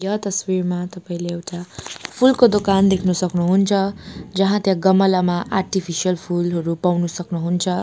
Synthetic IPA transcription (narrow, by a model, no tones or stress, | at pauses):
jʌt̪ʌswirmat̪ʌpaĩleewʈapʰulkod̪okand̪ekʰnusʌknuɦunt͡sʰʌd͡zʌɦãt̪jãɡʌmʌlamaʔarʈipʰisijʌlpʰulɦʌɾupawnusʌknuɦunt͡sʰʌ